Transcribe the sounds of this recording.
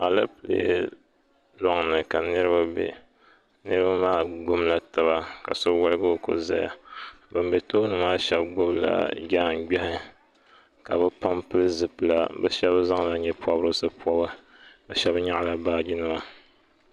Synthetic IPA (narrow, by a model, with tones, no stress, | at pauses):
a˨la˦pɨ˨lḛ˦ | lɔ˦ŋnɨ˨ka˨nɨ˦ɾɨ˦ba˦bɛ̰˨ | nɨ˦ɾɨ˦ba˦maː˦ɡ͡bʊ˦mla˦ta˨ba˦ka̰˨so˦wa˦lɨ˦ɡɨ˦o˦ko̰˦za̰˨ja̰˨ | bɨ˨m˦bɛ˨to˦nɨ˨maː˦ʃɛ˦bɡ͡bʊ˦bla̰˨ɡa˦˨ŋɡ͡bɛ˦hɪ˦ | ka˨bɨ˦pa˦mpɨ˦lzɨ˨pɨ˨la̰˨bɛ̰˦ʃɛ˦bza˦ŋla˨ɲɛ˦pɔ˦bɾɨ˦sɨ˦pɔ˦bɨ˦ | bɨ˦ʃɛ˦bɲa˦ʔla˨baː˦d͡ʒi˦nɨ˦ma˦